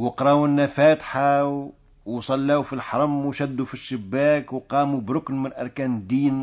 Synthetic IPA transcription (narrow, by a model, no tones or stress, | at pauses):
wəqɾˤɑwnːæfæt̪ħa | wsˤɑlːæufilħɑɾˤɑmwʃæd̪ːufiʃːəbːækwqɑmubɾʊknmənʔɑɾˤkænd̪in